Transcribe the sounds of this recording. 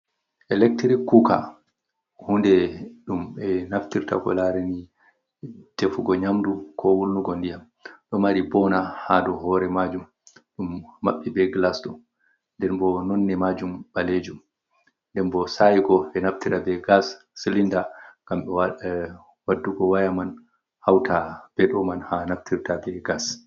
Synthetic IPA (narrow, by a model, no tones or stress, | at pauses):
ʔɛlɛk̚tɾikːuka̰ | hundɛɗumɛnaftiɾta̰kɔ̰laɾeni | d̥efuɡɔɲamdukʰɔwulnuɡɔndijam | ɗɔmaɾibɔnahadɔhɔɾɛmad͡ʒum | ɗumːa̰ɓːibɛɡlasɗɔ | ndɛnbɔnɔnːɛmad͡ʒumbaled͡ʒum | ndɛnbɔsajiɡɔʔɛnaftiɾabɛɡasː | ilindaŋɡamɓɛwa | wadːuɡɔwajaman | hawtʰab̥ɛɗɔmanhanaftʰiɾtabɛɡas